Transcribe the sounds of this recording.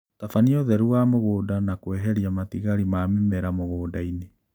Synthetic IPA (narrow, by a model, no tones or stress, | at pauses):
tafaniɔðɛɾuamoɣoːdanakwɛɦɛɾiamatiɣaɾimaːmimɛɾamoɣoːdaine